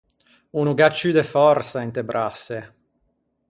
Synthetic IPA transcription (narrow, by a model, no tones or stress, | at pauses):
unuɡat͡ʃːyd̪efɔrtsaint̪ebɾʔasːe